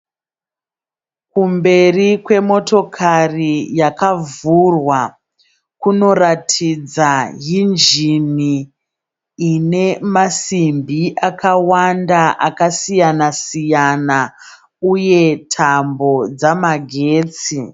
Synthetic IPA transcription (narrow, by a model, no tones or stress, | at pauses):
kumbe̞rikwe̞mo̞to̞kʰarijakavurwa | kuno̞ratʰid͡zaɦind͡ʒini | ne̞masimbʱiʔakʰawandaʔakasijanasijana | uje̞tʰambo̞d͡zamaɡʱe̞ːt͡si